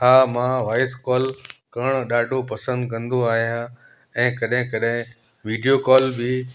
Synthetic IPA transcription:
ɦaːmãʋaːɪskɔːlkɐɽ̃ɗaːɖʱopɐsə̃nd̪kɐ̃nd̪oaːɦijã | ɛ̃ːkɐɗɦɪ̃kɐɗɦɪ̃ | ʋiːɖijokɔːlbɪ

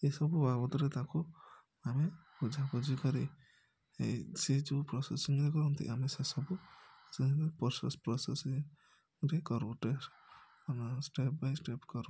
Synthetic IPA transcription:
esɔbubabɔt̪ɔɾet̪aku | amebud͡ʒʱakɔd͡ʒikɔɾḭ | sed͡ʒupɾɔsesiŋɾekɔɾɔnt̪ʰḭamesesɔbuseɾepɔɾsḛspɾɔsesiŋ | ɾekɔɾũʈes | nsʈep̚bajsʈepkɔɾũ

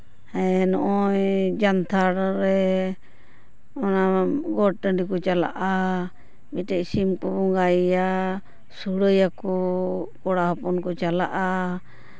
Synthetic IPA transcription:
hɛnɔʔɔjd͡ʒant̪ʰaɾɾɛ | ɔnaɡɔʈəɳɖikɔt͡ʃala̰ʔa | miʈɛʔsimkɔbɔŋɡaja | suɽəjakɔkɔɽaɦɔpɔnkɔt͡ʃalaʔa

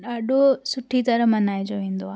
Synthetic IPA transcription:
ɗaːɗosʊʈʰit̪ɐɾə̃mɐnaːɪd͡ʑoʋẽːn̆d̪oaː

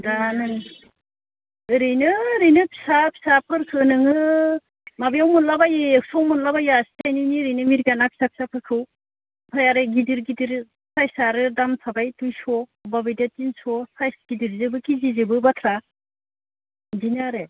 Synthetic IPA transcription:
danɯn | ɯɾɯjnɯɾɯjnɯpʰi̥sapʰi̥sapʰɯɾkʰɯnɯŋɯ | mabijawmunlabajeksɔwmunlabajastʰajniniɾɯjnɯmiɾɡanapʰi̥sapʰi̥sapʰɯkʰɯw | pʰajaɾɯɡidiɾɡidiɾ | sʰajsaɾɯdamsʰabajtujsɔbabɯjdatinsɔsʰajsɡ̥idiɾzɯbɯkizizɯbɯbatʰɾa | zinɯaɾe

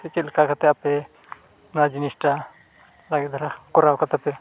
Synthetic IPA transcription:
t̪ɛt͡ʃilkakat̪ɛapɛ | nad͡ʒinisʈa | laɡɛt̪d̪aɾakɔɾawkat̪apɛ

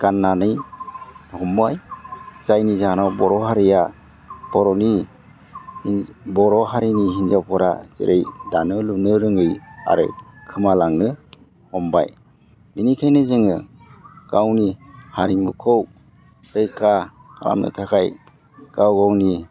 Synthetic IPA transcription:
ɡ̥anːanɯj | hɔmbajz̥ajnizanawbɔɾɔɦaɾija | b̥ɔɾɔni | bɔɾɔɦaɾiniɦinzawpʰɔɾa̰z̥ḛɾʔejdanɯlunɯɾɯŋɯja̰ɾɯ̰kʰɯmalaŋnɯ | hɔmba̰j | minikʰajnɯzɯŋɯ | ɡ̥awnihaɾimɯkʰɔw | ɾɯjkʰa | ɾa̰mnɯ̰tʰakʰaj | ɡ̥awɡawni

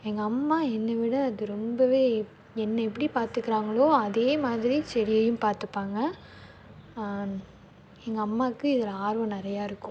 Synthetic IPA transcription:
ɛŋɡɐːmːaːɛnːɐʋɪɽɐːðɯɾɔmbɐʋeː | ɛnːɐɛp̬ːɐɽipaːɾt̪ɯkːɪɾaːŋɡɐɭoːɐðeːmaːðɪɾisɛɾɪjɐjɯ̃mpaːɾt̪ɯpːaːŋɡɐ | ɛŋɡɐːmːaːkːɯɪðɪlaːɾʋɐ̃nɪɾɐjaːɪɾɯkːʊ̃

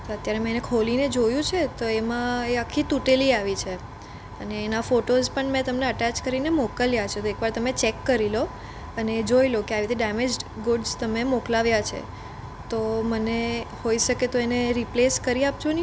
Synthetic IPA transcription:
t̪oət̪jaɾemenekʰolined͡ʒojũt͡ʃʰet̪oemãeakʰːit̪uʈeliaʋit͡ʃʰe | əneːnafoʈozpəɳmɛ̃t̪əmneəʈat͡ʃkəɾinemokəljat͡ʃʰet̪oekʋaɾt̪əmet͡ʃekːəɾilo | əned͡ʒoilokeaʋit̪ʰiɖɛmed͡ʒɡoɖzt̪əmemoklaʋjat͡ʃʰḛ | t̪omənehoiʃəket̪oeneɾipleskəɾiap̚t͡ʃʰoni

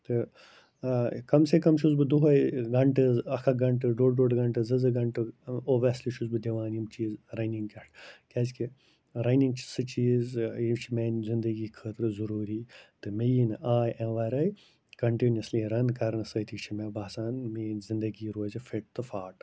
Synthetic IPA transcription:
t̪ɨ | kɐmsekɐmʃʰuzbɨd̪uɦɐjɡɐɳʈɨzɐkʰɐɡɐɳʈɨɖoːɖɖoːɖɡɐɳʈɨzɐzɨɡɐɳʈɨoːʋɐsliʃʰuzbɨd̪eʋaːnimt͡ʃiːzɾɐniŋɡkɐʈkɐːzki | ɾɐniŋɡt͡ʃʰi̥sɨt͡ʃiːzit͡ʃʰimeːnzĩnd̪ɐɡiːkʰəːt̪ɾɨzɐɾuːɾiːt̪ɨmejinaːjʔẽnʋaːɾɐj | kɐɳʈinɐsliɾɐnkɐɾnɨsɐt̪ʰikt͡ʃʰimebaːsaːnmenzind̪ɐɡiːɾoːzifʰeʈ̚t̪ɨfaːʈ

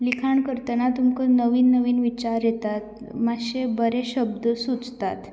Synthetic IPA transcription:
likʰaɳkəɾt̪ənat̪umkənəʋiːnːəʋiːnʋit͡ɕaɾjet̪at̪ | maɕebəɾeɕəb̚d̪əsut͡st̪at̪

